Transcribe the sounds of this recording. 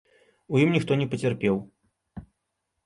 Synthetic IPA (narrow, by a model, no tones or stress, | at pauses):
ujimnʲixt̪ɔnʲɛpɐt͡sʲɐrpʲɛw